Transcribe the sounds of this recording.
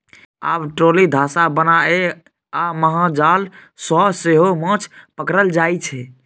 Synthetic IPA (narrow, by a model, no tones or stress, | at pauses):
a̰bʈolid̪ʱasabənae | aməɦãd͡ʒalsɔseɦomə̃t͡ʃʰpəkɾəld͡ʒajt͡ʃʰɛ